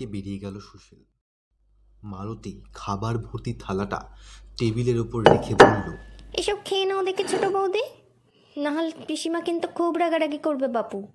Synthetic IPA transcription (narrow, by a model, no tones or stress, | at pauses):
ebeɽieɡɛloʃuʃel | malot̪ikʰabaɾbʱoɾt̪it̪ʰalaʈa̰ʈebileɾupoɾlekʰeboulloḛʃɔb̚kʰenaod̪eɾket͡ɕʰoʈobowd̪e | naɦalpiʃimakint̪ukʰubɾaɡaɾaɡikoɾbebapu